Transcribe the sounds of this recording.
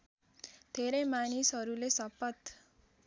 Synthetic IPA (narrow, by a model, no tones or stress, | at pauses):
d̪ʱeɾʌjmanisɦʌɾulesʌpʌt̪